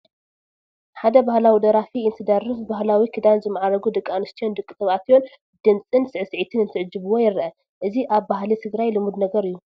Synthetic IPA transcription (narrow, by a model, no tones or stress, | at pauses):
ħad̪ɐbahlawid̪ɐɾafiɨnt̪ʰɨd̪ɐrɨsbaɦlawikʰɨd̪anzɨmːaʕaɾɐɡud̪ɨkʼːanɨst̪ʰijo̞nd̪ɨkʼːɨsɐβat̪jo̞n | d̪̥ɨnt͡sʼɨnsɨʕɨsɨʕit̪ʰɨnɨnt̪ʰɨʕd͡ʒːɨβuwojɪɾʔɐ | ʔɨziʔaβbaɦlit̪ʰɨɡɾajlɨmud̪nɐɡɐɾɨjːu